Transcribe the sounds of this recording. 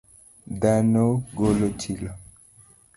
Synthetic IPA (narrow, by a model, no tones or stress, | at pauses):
d̪anoɡolot͡ʃila